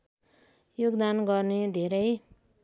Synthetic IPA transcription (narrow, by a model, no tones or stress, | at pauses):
joɡd̪anɡʌrned̪ʱeɾʌj